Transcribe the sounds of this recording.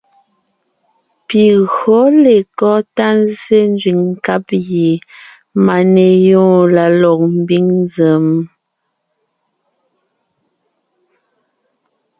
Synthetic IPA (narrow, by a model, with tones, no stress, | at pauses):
pi˨ɣo˨˦le˨kɔ˦ta˦n˦zse˦n˦d͡ʒɥi˨ŋŋ̩˨ka˦p̚je˨ | ma˨ne˨jɔ̃ː˦˨la˨lɔ˨k̚m̩˦˨bi˦ŋnzə˨m